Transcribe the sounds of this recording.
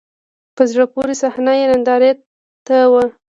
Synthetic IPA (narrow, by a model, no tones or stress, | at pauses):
pəzɽapuɾisahnajenand̪ɑɾe | t̪awə